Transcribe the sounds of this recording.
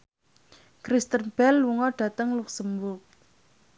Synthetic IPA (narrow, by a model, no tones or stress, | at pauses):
kɾist̪ənb̥ɛlːuŋɔɖ̥ä̤t̪əŋluksəmbʊrk̚